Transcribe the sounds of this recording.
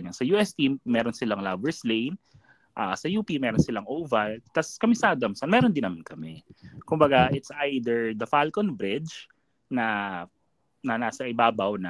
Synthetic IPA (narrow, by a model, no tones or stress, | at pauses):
ɲɐsɐjuːʔɛst̪immɛːɾonsɪlaŋlabɛɹslejn | ʔaːsɐjuːpimɛːɾonsɪlɐŋʔoːvɐlt̪ɐskɐmɪsad̪ɐmsɐnmɛːɾond̪ɪnɐmankɐmɛkʊmbɐɡaʔɪt̪sʔajd̪ɛɹd̪ɐfalkonbɾɪd͡ʒ | nɐ | nɐnaːsɐʔɪbaːbɐwnɐ